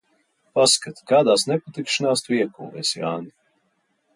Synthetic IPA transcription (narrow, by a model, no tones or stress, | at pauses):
paskat̪kaːd̪aːsnɛpat̪ikʃɨnaːst̪viɛkṵːvɛːsja̰ːni